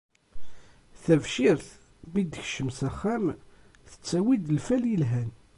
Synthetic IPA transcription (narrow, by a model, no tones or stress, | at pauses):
θævʃiɾθ | mid̪əçʃəmsæχːæm | θə̥t͡sːæwid̪əlfæljəlɦæn